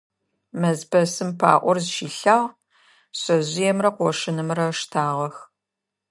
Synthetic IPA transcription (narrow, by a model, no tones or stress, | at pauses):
mɐzpʰɐsɨmpʰa̰ːʔʷɔrzʃiːɬaːʁ | ɕʼɐʑɪjɛmrɐqʷɔʂɪnɨmrɐʂtʰaːʁɐx